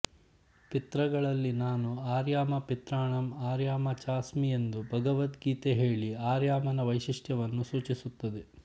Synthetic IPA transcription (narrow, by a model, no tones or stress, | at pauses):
pit̪ɾɐɡɐɭɐlːinaːnuaːɾjaːmɐpit̪ɾaːɳɐmaːɾjaːmɐt͡ʃaːsmiend̪ubʱɐɡɐʋɐt̪ɡiːt̪eɦe̞ːɭiaːɾjaːmɐnɐʋɐjʃiʂʈjɐʋɐnːusuːt͡ʃisut̪ːɐd̪e